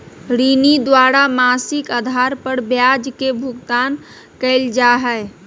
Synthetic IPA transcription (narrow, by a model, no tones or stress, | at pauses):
ɾinid̪waɾamasɪkəd̪ʱaɾpəɾbjad͡ʒkebʱʊɡt̪aːn | kəɪld͡ʒaɦɛ